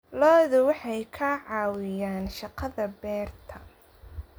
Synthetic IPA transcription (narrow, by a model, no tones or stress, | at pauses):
lɔːðʊwɑħɑjkʰaːʕɑːwɪjaːnʃɑqɐðɐbɛːrt̪ʰɐ